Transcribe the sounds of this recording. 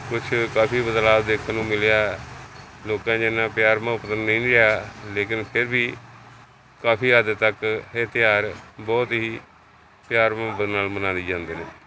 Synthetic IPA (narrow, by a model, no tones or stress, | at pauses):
kʊt͡ʃʰkaːpʰiːbəd̪laːbd̪eːkʰnũːmɪljaː | loːkãːd͡ʒɪnːãːpɪjaːɾmãːʊpət̪ənːəĩːɾɪaːleːkɪnpʰɪɾbiː | kaːpʰiːəd̪t̪əket̪ɪjaːɾbɔːt̪ɦiː | pjaːɾmə̃bənaːlmənãːnd̪iːd͡ʒãːnd̪eːneː